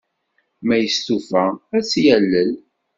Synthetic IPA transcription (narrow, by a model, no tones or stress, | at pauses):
mæjəst̪ufææt͡sːjælːəl